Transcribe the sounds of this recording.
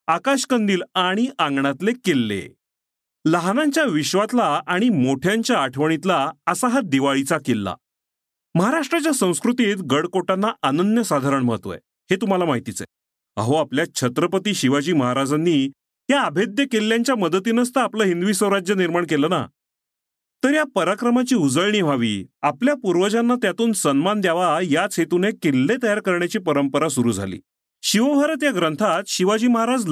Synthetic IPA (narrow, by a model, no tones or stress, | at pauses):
akaɕkənd̪iːlaɽ̃iʔãŋɡɳat̪lekelːḛ | ləɦnaɲt͡ɕjaʋiɕʋat̪laaɽ̃imoʈʰjaɲt͡ɕjaːʈʰʋəɳ̃it̪laəsaɦad̪iʋaɭit͡sakelːa̰ | məɦaɾaʂʈɾat͡ɕjasə̃w̃skɾut̪iːt̪ɡəɽkoʈanːaʔanənjəsad̪ʱaɾəɳməɦət̪ʋo̰ḛ | het̪um̤alamaɦit̪it͡sḛ | a̰ɦoapljat͡ɕʰət̪ɾəpət̪iːɕiʋad͡ʑiːməɦaɾad͡zanːiː | ɦjaːbʱed̪jəkelːjaɲt͡ɕjaməd̪ət̪iːnəs̬t̪əapləːɦind̪uʋiːsə̃wɾad͡ʑjəniɾmaɳkeləːna̰ | t̪əɾjapəɾakɾəmat͡ɕiːud͡zəɭɳiːʋ̤aʋḭːapljapuɾʋəd͡ʑanːat̪jat̪uːnsənmand̪jaʋajat͡sɦet̪unekelːet̪əjaɾkəɾɳjat͡ɕiːpəɾəmpəɾasuɾuːd͡zʱa̰lḭː | ɕiʋəʋ̤aɾət̪jaɡɾənt̪ʰat̪ɕiʋad͡ʑiːməɦaɾad͡zl